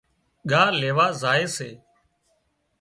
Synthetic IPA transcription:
ɠaːleːʋaːzaːeːsḛː

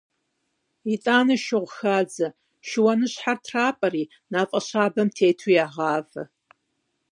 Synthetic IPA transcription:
it͡sʼaːnɐʃɪʁʷxaːd͡zɐ | ʃɪwɐnɨɕħartʰraːpʼɐriː | naːqʼɐɕaːbɐmtʰeːtʰujaːʁaːvɐ̰

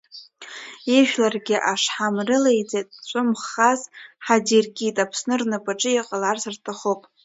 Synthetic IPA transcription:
iʒᶣlarɡʲɪʔaʂħamrɨlejd͡zʼetʼt͡ʃʷʼʊmχazħadirkʲʼitʼapʰsnɨrnɨpʼaʈ͡ʂʼɨiqʼalarsɨrtʰaχowpʼ

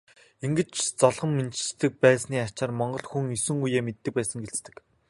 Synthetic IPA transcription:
iŋɡɘ̆t͡ɕt͡sɔɮʁɞ̆mːent͡ɕ̆st̪ɘ̆k̚pæːsniːat͡ɕaːrmɔɴɢɞ̆ɮxuŋisɘ̆ŋujeːmet̪ːɘ̆k̚pæːsə̆ŋɡeɮt͡st̪ɘ̆k

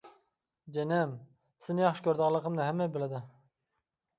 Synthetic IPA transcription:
d͡ʒɛnɛm | sɪnɪjɑχʃɪ̥kʲʰøɾd̪ɨʁɑlˠːəqʰəmnɨɦɛmːɛbɪlɪd̪ɪ

